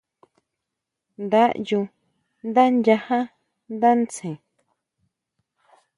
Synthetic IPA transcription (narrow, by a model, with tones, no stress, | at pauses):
nd̪a˦ʔjũ˧ | nd̪a˦nja˧hã˦ | nd̪a˦nt͡sẽ˨